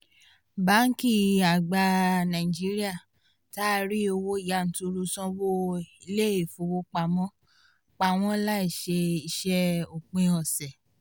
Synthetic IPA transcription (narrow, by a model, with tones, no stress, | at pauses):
ba˨˦ŋ̩˦ki˦˨a˨ɡ͡ba˧nã˨i˨d͡ʒi˨˦ɾi˦a˦˨ | ta˦ɾi˦o˧wo˦i˦˨ja˨˦˨n̩˨˦tu˧ɾu˧sɔ̃˧wo˦i˧le˦e˨fo˨˧wo˧˦k͡pa˧˨mɔ̃˦ | k͡pa˧˨w̃ɔ̃˦la˦i˦˨ʃe˧i˧ʃɛ˧o˨k͡pẽ˧ɔ˨sɛ˨